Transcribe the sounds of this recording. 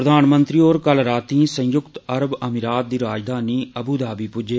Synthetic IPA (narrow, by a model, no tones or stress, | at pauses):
ɾəd̪aːnmənt̪ɾiːoːɾkəlɾaːt̪iːsə̃jʊkt̪əɾəbəmiɾaːt̪̚d̪iːɾaːd͡ʒd̪aːniːəbuːd̪aːbiːpʊd͡ʒeː